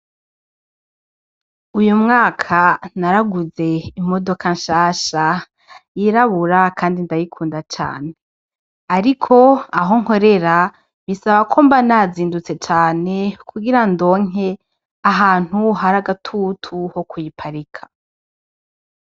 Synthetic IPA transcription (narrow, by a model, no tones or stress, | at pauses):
ujumŋaːkʰanaɾaɡuze̞imo̞do̞kanʃaːʃa | jiɾaβuɾakʰaːndindajikʰuːndat͡ʃa̰ːne̞ | aɾikʰo̞aɦo̞ŋ̥ho̞ɾe̞ɾa | βisaβakʰombanaziːndut͡se̞t͡ʃaːne̞kʰuɡiɾando̞ːŋ̥e̞ | aɦaːn̥huhaɾaɡatʰutʰuho̞kujipʰaɾikʰḁ